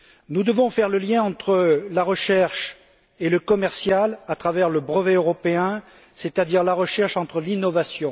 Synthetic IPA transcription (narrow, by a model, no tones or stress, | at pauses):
nud̪əvɔ̃fɛʁləljɛ̃ɑ̃t̪χəlaʁəʃɛʁʃ | eləkɔmɛʁsjalat̪χavɛʁləbʁəveøʁɔpeɛ̃ | set̪ad̪iʁlaʁəʃɛʁʃɑ̃t̪χəlinɔvasjɔ̃